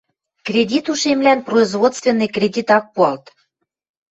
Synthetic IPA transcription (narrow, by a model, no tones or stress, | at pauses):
krʲedʲit̪uʃemlænproizvot̪st̪vʲenːɤjkrʲedʲit̪ɑk̚puɑlt̪